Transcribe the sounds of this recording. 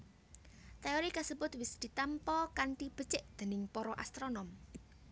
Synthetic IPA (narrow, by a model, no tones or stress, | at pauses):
t̪eoɾikasubʊt̪wɪsd̪̥i̤t̪ampɔkaɳʈib̥ə̤̥t͡ʃɪʔd̪̥e̤nɪŋpɔɾɔʔa̰st̪ɾonɔm